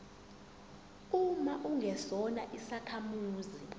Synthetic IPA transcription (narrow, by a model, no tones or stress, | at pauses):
umaʔuŋʱɛsɔna̰ʔisakʰamuːzi